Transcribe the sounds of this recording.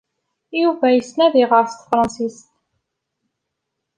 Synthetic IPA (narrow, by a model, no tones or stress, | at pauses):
juvæjəsnæðiʁəɾft̪fɾˤɑnsist̪̚